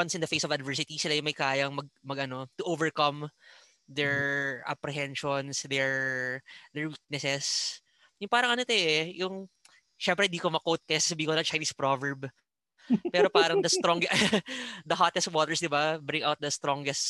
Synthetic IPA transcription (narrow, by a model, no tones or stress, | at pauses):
wɐnsʔɪnd̪ɐfejsɔvɐd̪vɛɹs̬ɪt̪isɪlajʊŋmɐjkaːjɐŋmɐɡ̚mɐɡʔɐno̞t̪ʊʔovɛɹkɐm | d̪ɛɹʔɐ̰pɾɛɦɛnʃɔnsd̪ɛɹ | d̪ɛɹwik̚nɛsɛs | jʊŋpaːɾɐŋʔɐnot̪oʔɛjʊŋ | ʃɛmpɾɛhɪnd̪iːkomɐkowt̪̚kɐjaːssɐbiːɪ̃ŋkolɐt͡ʃajniːspɾovɛɹb | pɛːɾopaːɾɐd̪ɐst̪ɾoŋɡ | d̪ɐɦat̪ɛst̪̚wɔt̪ɛɹsd̪ɪbabɾɪŋʔawt̪̚d̪ɐst̪ɾoŋɡɛst